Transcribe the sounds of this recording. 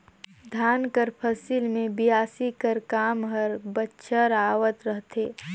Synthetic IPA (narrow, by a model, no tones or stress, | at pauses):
d̪ʱaːnkəɾpʰɐsilmẽbijaːsikəɾkaːmɦəɾbətːʃʰəɾaːʋət̪ɾəɦt̪ʰeː